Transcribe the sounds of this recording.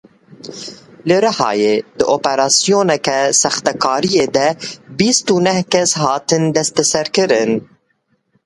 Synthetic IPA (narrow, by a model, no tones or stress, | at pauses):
lɨɾahɑ̰ːjeːd̪ɨʔoːpɛɾɑːsijoːnɛkɛsɑxt̪ɛkʰɑːɾijeːd̪ɛbiːst̪unɛhkɛshɑːt̪ɨnd̪ɛst̪ɛsɛɾkɨɾɨn